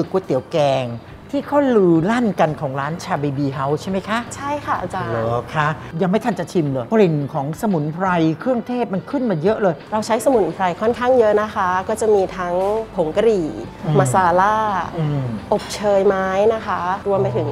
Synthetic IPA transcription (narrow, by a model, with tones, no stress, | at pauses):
ɯ˨˩kːu˧˩ət̪i˨˩˦əwkɛː˧ŋ | t̪ʰiː˥˩kʰa˥˩lɯː˧la˥˩nka˧nkʰɔː˩˦ŋɾaː˦˥nt͡ɕʰaː˧bi˧biː˧ɦa˦˥wt͡ɕʰa˥˩ma˦˥jkʰa˦˥ʔt͡ɕʰa˥˩jkʰa˥˩a˧loː˧˩kʰa˦˥ʔja˧ŋma˥˩jt̪ʰa˥nt͡ɕa˨˩t͡ɕ̪ʰi˧mlɤː˧jpɾi˨˩ŋkʰɔː˩˦ŋsa˧mu˨˩˦npʰɾa˧jkʰɾɯ˥˩əŋt̪ʰeː˥˩p̚ma˧nkʰɯ˥˩nmaː˧˩jɤ˦˥ʔlɤː˧jɾa˧wt͡ɕʰa˦˥jsa˧mu˨˩˦npʰɾa˧jkʰɔ˥˩nkʰaː˥˩ŋjɤ˦˥ʔna˦˥kʰa˦˥kɔː˥˩t͡ɕa˨˩miː˧t̪ʰa˦˥ŋpʰo˩˦ŋka˧ɾiː˨˩˧ma˧˥saː˧laː˥˩˧ | ʔo˨˩p̚t͡ɕʰɤː˧jmaː˦˥jna˦˥kʰa˦˥ɾu˧əmpa˧jt̪ʰɯ˨˩˦ŋ